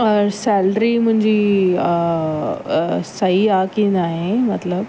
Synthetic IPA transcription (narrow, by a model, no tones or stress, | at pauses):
ɾsɛlɖɾim̤ʊ̃ɲd͡ʑi | səɦiakinaːɦemɐt̪ləb